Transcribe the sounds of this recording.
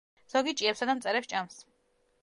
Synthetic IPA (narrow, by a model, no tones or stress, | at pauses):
z̥ɔɡit͡ʃʼiɛpsad̪amt̪sʼɛɾɛpst͡ʃʼams